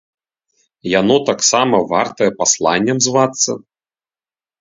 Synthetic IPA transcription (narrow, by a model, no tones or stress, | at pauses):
janɔt̪aksamɐvart̪ɐjɛpaslˠanʲːɛmzvat̪sːɐ